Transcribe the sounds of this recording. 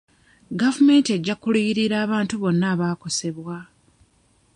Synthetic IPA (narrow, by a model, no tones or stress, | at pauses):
ɡavume̞ːntie̞ɟːakulijiɾiɾaːβaːntuβo̞nːaːβaːko̞se̞βwa